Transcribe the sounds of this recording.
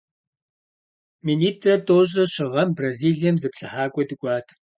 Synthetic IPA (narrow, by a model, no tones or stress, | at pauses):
miniːtʰʼrɐtʰʼoːɕʼɐɕɪʁɐmbraziːɮijɛmzɨpɬɨħaːkʷʼɔdɨkʷʼɑːtʰ